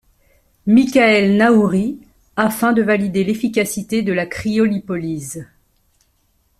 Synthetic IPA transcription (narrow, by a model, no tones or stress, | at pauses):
mikʲaɛlnauʁi | afɛ̃d̪əvalid̪elefikʲasit̪ed̪əlakχiɔlipɔliz